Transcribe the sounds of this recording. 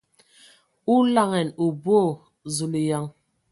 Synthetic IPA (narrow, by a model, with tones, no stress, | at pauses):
u˦la˦˨ŋɛ˨nu˨bo˦˨ | zu˨li˨ja˦ŋ